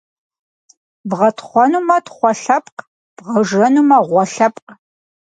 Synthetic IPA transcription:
bʁɐtχʷɔnuːmɐtʰχʷɔɬɐpʼq | b̥ʁɐʒɐnumɐʁʷɔɬɐpʼq

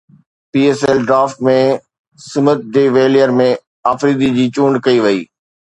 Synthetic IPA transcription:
piːeːsɛlɖɾaːfʈmẽ | sɪmət̪̚ɖeːʋeːlijəɾmẽ | aːfɾiːd̪id͡ʑiːt͡ɕũːɳɖkɐiʋɐḭː

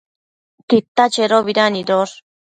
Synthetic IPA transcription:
t̪it̪ːat͡ʃeɾoβiɾaniɾoɾ

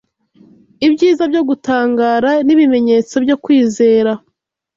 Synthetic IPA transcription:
ibɟiːzabɟo̞ɡutaːŋɡaːɾaniβime̞ɲe̞t͡so̞bɟo̞kwiːze̞ːɾa

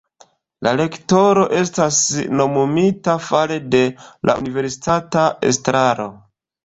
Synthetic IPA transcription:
lale̞kto̞ɾo̞ʔe̞stasno̞mumitafalede̞lʔa̰ṵnive̞ɾsi̥tataḛstɾaɾo̞

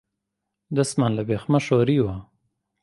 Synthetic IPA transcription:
d̪asmanlabexmaʃoɾiwa

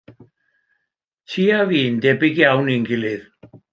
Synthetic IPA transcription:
tʰiaviːnd̪ɛbɪɡjawnɪŋkɪlɪð

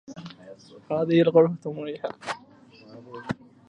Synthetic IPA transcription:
haːðɪhɪlɣʊɾfat̪mʊɾiːħa

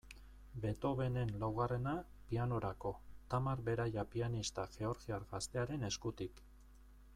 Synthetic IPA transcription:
be̞t̪o̞βe̞ne̞nlawɣare̞na | piano̞ɾako̞t̪amaɾbe̞ɾajapianist̪aʝe̞o̞ɾɣiaɾɣast̪e̞aɾe̞ne̞skut̪ik

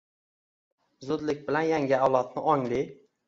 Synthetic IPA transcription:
zʊd̪lɪk̚ʲbɪlanjaŋʲɪawlˠat̪̚nɪʔɒŋli

